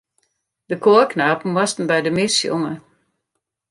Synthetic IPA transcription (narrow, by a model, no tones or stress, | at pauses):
d̥əkʰoːknaːpn̩wɔstən̩bɛjdəmɪsjo̰ŋə